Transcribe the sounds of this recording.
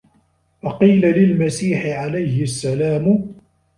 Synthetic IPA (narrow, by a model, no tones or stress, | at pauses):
fɑqiːlalɪlmasiːħɪʕalajhɪʔasːalaːm